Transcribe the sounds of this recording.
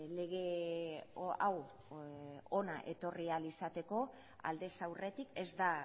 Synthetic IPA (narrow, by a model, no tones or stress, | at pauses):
le̞ɣ̞e̞ | a̰w | o̞naʔe̞t̪o̞rialisat̪e̞ko̞ | a̰ld̪e̞sawre̞t̪ike̞zd̪a